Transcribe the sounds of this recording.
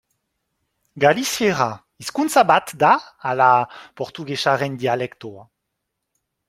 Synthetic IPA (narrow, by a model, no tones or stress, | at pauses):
ɡalisjeʁa | iskunt͡sabat̪d̪aːlapɔʁt̪uɡeʃaʁɛnd̪ialɛkt̪oa